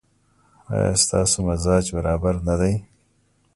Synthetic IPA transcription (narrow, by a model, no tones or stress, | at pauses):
ɑ̰jɑ̰ːst̪ɑ̰ːsomazɑːd͡ʒbaɾɑːbaɾnad̪aj